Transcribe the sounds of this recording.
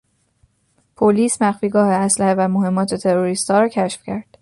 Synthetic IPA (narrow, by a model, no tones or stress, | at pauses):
pʰoliːsmæxfiːɡɒːhe̞æslæhevæmoɦe̞mːɒːt̪ʰe̞t̪ʰe̞ɾoɾiːst̪hɒːɾɒːcʰæʃfcʰæɾd̪̥